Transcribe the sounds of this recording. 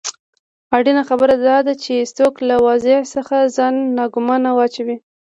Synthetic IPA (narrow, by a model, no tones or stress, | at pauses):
ɑɖinaxabəɾad̪ɑd̪at͡ʃest̪oklawɑzɪʕsəxazɑnːɑɡʊmɑnawɑt͡ʃawi